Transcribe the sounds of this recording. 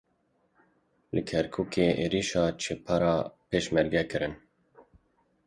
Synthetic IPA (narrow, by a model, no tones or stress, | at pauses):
lɨkʰɛɾkʰuːkeːʔeːɾiʃɑːt͡ʃʰepʰɑɾɑːpʰeːʃmɛɾɡɛkɨɾɨn